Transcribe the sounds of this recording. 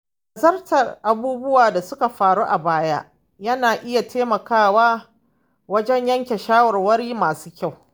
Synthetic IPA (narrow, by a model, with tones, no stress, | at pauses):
ʔ | a˨zɐ˦rtɐ˨rʔa˨buː˦bʊ˦waː˨da˨sʊ˦ka˨ɸaː˨ɽuː˦ʔa˨baː˦ja˦ | jɐ˦naː˨ʔɪ˦ja˨tʰeː˦mɐ˨kaː˦waː˦ | wɐ˦d͡ʒɛ˦ɲjɐ˦ŋkʲe˨ʃaː˦wɐ˨rwɐ˦ɾiː˦maː˨su̥ː˦kʲa˦˨w